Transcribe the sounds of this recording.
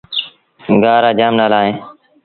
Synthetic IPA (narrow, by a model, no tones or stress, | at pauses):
ɡaːɾaːd͡ʒaːmnaːlaːɦẽː